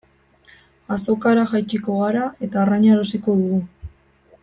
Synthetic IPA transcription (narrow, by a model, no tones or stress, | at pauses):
aso̞kaɾaʝajt͡ʃiko̞ɣaɾae̞t̪aːraɲaɾosiko̞ðuɣu